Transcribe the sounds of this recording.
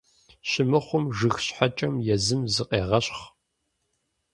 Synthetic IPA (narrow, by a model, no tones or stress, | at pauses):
ɕɪmɨχʷʊmʒɨxɕħat͡ʃʼɐmjɛzɨmzɨqʼeːʁɐɕχ